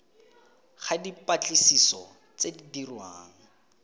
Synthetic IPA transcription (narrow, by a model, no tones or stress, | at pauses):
χadipat͡ɬʼisisɔ̰ | t͡sedidirwaːŋ̩